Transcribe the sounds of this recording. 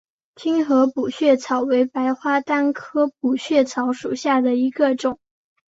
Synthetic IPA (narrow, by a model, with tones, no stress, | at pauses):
t͡ɕʰi˥nxɤ˧˥pu˨˩ɕɥɛ˥˩t͡sʰɑ˨˩ʊwe˧˥ɪpa˧˥ɪxwa˥t̪a˥nkʰɤ˥p̚u˨˩ɕɥɛ˥˩t͡sʰɑ˧˥ʊʂṵ˨˩ɕja˥˩d̪ə˩i˧˥ɡə˧ʈ͡ʂʊ˨˩˦ŋ